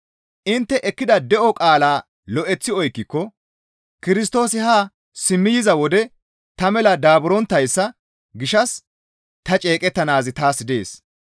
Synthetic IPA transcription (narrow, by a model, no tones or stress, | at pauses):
ʔɪnt̪ːɛʔɛkːɪd̪ɐd̪ɛʔɔkʼaːlaː | lɔʔɛt͡sːɪɔjkːɪkːɔ | kɪɾɪs̬t̪o̞ːsɪhaː | sɪmːɪjɪzɐwɔd̪ɛ | t̪ɐmɛlɐd̪aːbʊɾɔnt̪ːɐjsːɐ | ɡɪʃɐs | t̪ɐt͡ʃʼe̞ːkʼɛt̪ːɐnaːzɪt̪aːsd̪e̞ːs